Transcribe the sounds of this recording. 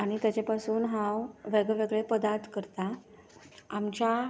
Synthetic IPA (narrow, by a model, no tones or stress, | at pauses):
aɽ̃it̪jat͡ɕepasuːnɦãwʋeɡɭeʋeɡɭepəd̪aɾt̪kəɾt̪a | amt͡ɕja